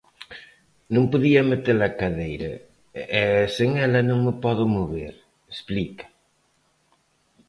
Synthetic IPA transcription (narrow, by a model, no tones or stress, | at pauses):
nõŋpoðiɐmet̪eɾɐkaðejɾɐ̰ | ɛseŋɛlɐnõŋmepɔðʊmoβeɾ | esplikɐ̥